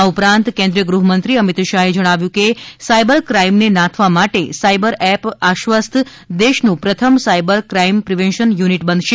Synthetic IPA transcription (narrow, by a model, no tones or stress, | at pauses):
aupɾãnt̪kẽnd̪ɾijəɡɾuɦəmənt̪ɾiəmit̪ʃaɦed͡ʒəɽ̃aʋjũkesaibəɾkɾaimnenãt̪ʰʋamaʈesaibəɾɛpaʃʋəst̪ʰ | d̪eʃnũpɾət̪ʰəmsaibəɾkɾaimpɾiʋẽnʃənjuniʈbənʃe